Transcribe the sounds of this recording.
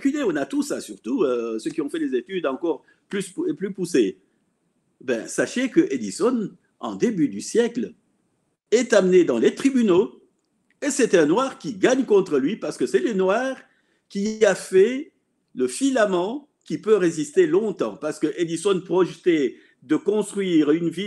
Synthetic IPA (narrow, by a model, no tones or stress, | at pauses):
kyleɔ̃nat̪usasyʁt̪uøsøkʲiɔ̃fɛlezet̪yd̪ɑ̃kɔʁ | plysplypuse | bɛ̰̃saʃekəʔed̪isɔn | ɑ̰̃d̪ebyd̪ysjɛkl | ɛt̪amned̪ɑ̃let̪χibyno | esɛt̪ɛ̃nwaʁkʲiɡaɲkɔ̃t̪χəlɥipaʁsə̥kəsɛlenwaʁ | kʲiafɛ | ləfilamɑ̃ | kʲipøʁezist̪elɔ̃t̪ɑ̰̃paʁsə̥kəʔed̪isɔnpχɔʒt̪e | d̪əkɔ̃st̪χɥiʁynvi